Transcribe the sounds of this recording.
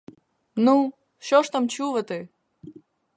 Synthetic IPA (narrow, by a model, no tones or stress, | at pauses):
nu | ɕoʂt̪amt͡ɕuvət̪ɨ